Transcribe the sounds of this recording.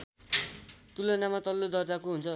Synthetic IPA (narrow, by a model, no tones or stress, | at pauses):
t̪ulanamat̪ʌlːod̪ʌrd͡zakoɦunt͡sʰʌ